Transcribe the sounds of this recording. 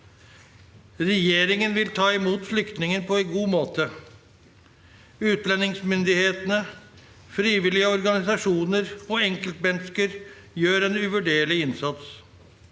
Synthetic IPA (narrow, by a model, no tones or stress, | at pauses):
ɾɛjeːɾɪŋənʋɪlt̪ʰɑːɪmuːt̪flʏkt̪nɪŋənpʰɔɛnɡuːmoːt̪ə | ʉːt̪lɛnːɪŋsmʏnd̪ɪheːt̪ənə | fɾiːʋɪlɪəɔɾɡɑnɪsɑʂuːnəɾɔɛŋkəlt̪̚bɛnskəɾ | jøːɾɛnʉʋʉɖeːɭɪɪnsɑt̪s